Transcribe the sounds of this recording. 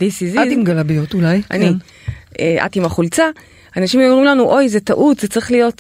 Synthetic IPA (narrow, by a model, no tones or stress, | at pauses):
disizaimɡalabijotulajʔa̰ni | eʔa̰timaχult͡sa | anaʃimjomʁimlanuʔo̞jzetaʔutz̥et͡sʁiχlijo̞t